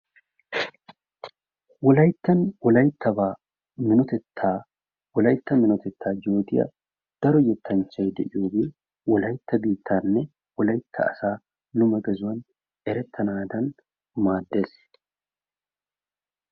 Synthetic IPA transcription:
wɔlɐjt̪ːɐnwɔlɐjt̪ʰːɐbaː | mɪnɔt̪ɛt̪ʰːaː | wɔlɐjt̪ːɐmɪnɔt̪ɛt̪ːaːd͡ʒoːd̪ɪjɐ̰ | d̪̥ɐɾɔjɛt̪ʰːɐnt͡ʃːɐjd̪ɛ̰ʔɪjoːbeː | wɔlɐjt̪ːɐbiːt̪ʰːaːnːɛ | wɔlɐjt̪ʰːɐ̰ɐ̰saː | nʊmɐɡɛzʊwɐn | ʔɛɾɛt̪ʰːɐnaːd̪ɐn | maːd̪ːe̞ːs

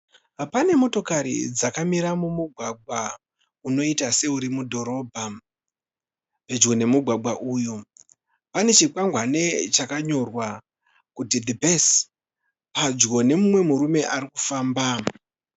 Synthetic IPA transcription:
pane̞mo̞to̞kaɾḭd͡zakamiɾamumuɡʱwaɡʱwa | uno̞itase̞uɾimudʱo̞ɾo̞bʱa | pe̞d͡ʒɡo̞ne̞muɡʱwaɡwaʔuːjo | pane̞t͡ʃikwaŋɡwane̞t͡ʃakaɲo̞rwa | kutidibʱes | pad͡ʒɡo̞ne̞mumwe̞muɾume̞ʔarikufaːmba

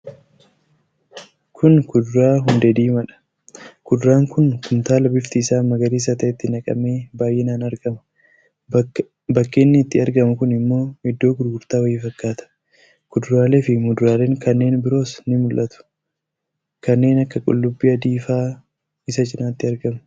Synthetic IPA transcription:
kʰʊnkʊd̪ʊɾaːɦʊnd̪ɛd̪iːmɐᶑɐ̥ | kʊd̪ʊɾaːŋkʊnkʊmt̪aːlɐbɪft̪iːsaːmɐɡɐɾiːs̬ɐt̪ɐɛt̪ːɪnɐkʼɐ̰me̞ːbaːjʔɛnaːnɐɾɡɐmɐ̥ | bɐkːe̞ːnːɪːt̪ːɪɐɾɡɐmʊkʊnɪmːo̞ːhɛd̪ːo̞ːɡʊɾɡʊɾt̪aːwɐjːɪfɐkːaːt̪ɐ̥ | kʊd̪ʊɾaːle̞ːfɪmʊd̪ʊɾaːle̞ːŋkɐnːe̞ːnbɪɾo̞ːsnɪmʊlʔɐt̪ʊ̥ | kɐnːe̞ːnɐkːɐkʼʊ̰lːʊbːiːɐd̪iːfaː | ɪsɐt͡ʃɪnaːt̪ːɪɐɾɡɐmʊ̥

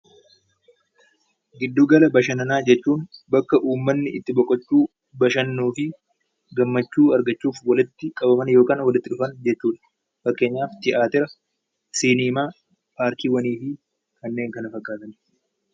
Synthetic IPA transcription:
ɡɪd̪ːuːɡɐlɐbɐʃɐnɐnaːd͡ʒɛt͡ʃːuːnbɐkːɐʔuːmːɐnːɪɪt̪ːɪbɔkʼːɐt͡ʃːuː | bɐʃɐnːuːfɪ | ɡɐmːɐt͡ʃːuːɐɾɡɐt͡ʃːuːfwɐlɪt̪ːɪkʼɐbɐmɐnjo̞ːkaːnwɐlɪt̪ːɪᶑʊfɐnd͡ʒɛt͡ʃːuːᶑɐ̥ | fɐkːe̞ːɲːaːft̪ɪʔaːt̪ɪɾɐ | siːniːmaː | paːɾkiːwɐniːfɪ | kɐnːe̞ːŋkɐnɐfɐkʼːaːt̪ɐn

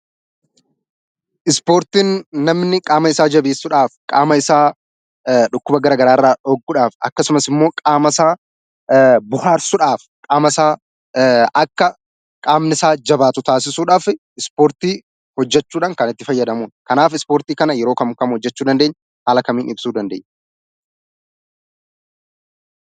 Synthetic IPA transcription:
ʔɪspo̞ːɾt̪iːnːɐmnɪkʼaːmɐɪsaːd͡ʒɐbiːsːʊᶑaːfkʼa̰ːmɐɪsaː | ᶑʊkːʊbɐɡɐɾaːɡɐɾaːrːaːɔɡːʊᶑaːfɐ̰kːɐsʊmɐsɪmːo̞ːkʼaːmɐsaː | bʊɦaːɾsʊᶑaːf | kʼaːmɐsaː | ʔɐkːɐ | kʼaːmnɪsaːd͡ʒɐbaːt̪ʊt̪aːs̬ɪsuːᶑaːf | ɪspoːɾt̪iː | hɔd͡ʒːɛt͡ʃːuːᶑaːŋkɐnɪt̪ːɪfɐjːɐd̪ɐmuːnkɐnaːfɪspoːɾt̪iːkɐnɐjɛɾo̞ːkɐmkɐmhɔd͡ʒːɛt͡ʃːuːd̪ɐnd̪eːɲː | haːlɐkɐmiːnɪbsuːd̪ɐnd̪ḛːɲ

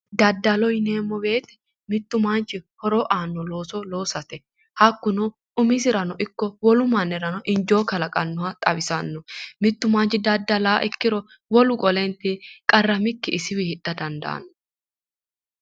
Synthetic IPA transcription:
d̪ɐd̪ːɐlɔjneːmːɔbe̞ːt̪ɛ̥ | mɪt̪ːʊmaːnt͡ʃːɪhɔɾoːʔaːnːɔlo̞ːsɔlo̞ːsɐt̪ɛ | hɐkːʊnɔ | ʊmɪs̬ɪɾɐnɔʔɪkːɔwɔlʊmɐnːɛɾɐnɔʔɪnd͡ʒo̞ːkɐlɐkʼɐnːɔɐt̪ʼɐbɪsɐnːɔmɪt̪ːʊmaːnt͡ʃːɪd̪ɐd̪ːɐlaːʔɪkːɪɾɔ | wɔlʊkʼɔlɛnt̪ikʼɐrːɐmɪkːɪɪsɪwihɪᶑːɐd̪ɐnd̪ɐ̰nːɔ

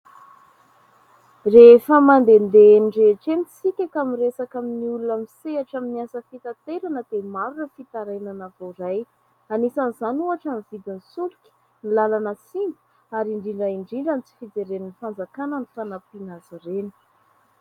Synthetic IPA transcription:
refəmand̪end̪eniɖ͡ʐeʈ͡ʂenit͡sikʲakamiresakaminiulunamiseaʈ͡ʂaminiasəfit̪at̪eɾanəd̪̥emaɾunəfit̪aɾajnanavoɾaj | anisanizanuaʈ͡ʂanivid̪insulukʲi̥ | nilalanəsimbu̥ | aɾiɳɖ͡ʐiɳɖ͡ʐaiɳɖ͡ʐiɳɖ͡ʐanit͡si̥fid͡zeɾeninifand͡zakanənifanapinazireni̥

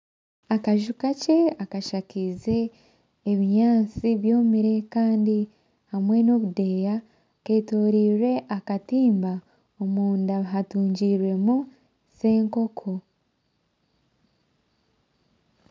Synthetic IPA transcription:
akaʒukace̞akaʃakize̞ː | βiɲaːnt͡siβjo̞ːmiɾe̞kaːndi | hamwe̞no̞βude̞ːja | ke̞ːto̞ːɾiːɾe̞ʔakatiːmba | omuːndaβɦatuːɲɟiːɾwe̞mu | se̞ːŋko̞kʰo

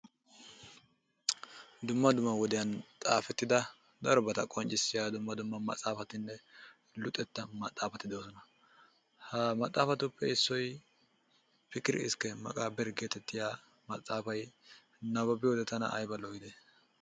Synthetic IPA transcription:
d̪ʊmːɐd̪ʊmːɐwɔd̪ɪjɐnt̪ʼaːfɛt̪ːɪd̪ɐ | d̪ɐɾɔbɐt̪ɐkʼɔnt͡ʃʼːɪsːɪjad̪ʊmːɐd̪ʊmːɐmɐ̰t̪ʼːaːfɐt̪ɪnːɛ | lʊt̪ʼːɛt̪ːɐmɐt̪ʼːaːfɐt̪ːɪd̪ɪɔsɔnɐ | hɐmɐt̪ʼːaːfɐt̪ʊpʰːɛɪsːɔj | pɪkːɪɾɪ̰ɪ̰skːɛmɐ̰kʼaːbɛɾɡeːt̪ɛt̪ːɪjaː | mɐt̪ʼːaːfɐj | nɐβɐbɪjwɔd̪ɛt̪ɐnɐ̰ʔɐ̰jbɐlɔɡɪd̪e

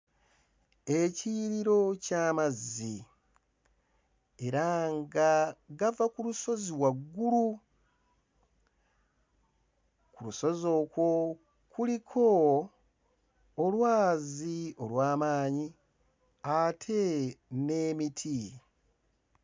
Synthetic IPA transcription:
e̞ciːɾiɾo̞caːmazːi | e̞ɾaŋɡaɡavakuluso̞ziwaɡːulu | kuluso̞zo̞kwo̞ | kulikʰo̞ | lwaːzio̞lwaːmaːɲi | atʰe̞ne̞ːmitʰi

